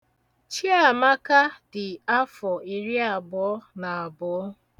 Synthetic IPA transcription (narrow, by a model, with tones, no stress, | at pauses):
t͡ʃi˦a˨ma˦ka˦dɪ˨a˦fɔ˨e˨ɾi˦a˨bʊ˨ɔ˦na˨a˨bʊ˨ɔ˦